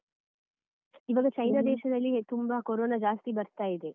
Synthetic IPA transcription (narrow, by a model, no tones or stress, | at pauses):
iʋaːɡɐt͡ʃɐjnaːd̪ɛːʃɐd̪ɐlːit̪umbakoɾoːnaːd͡ʒaːst̪ibɐɾt̪aːjid̪e̞